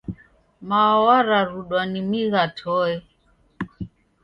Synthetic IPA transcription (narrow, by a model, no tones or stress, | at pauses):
mawaɾaɾuɗwanimiɣatʰɔɛ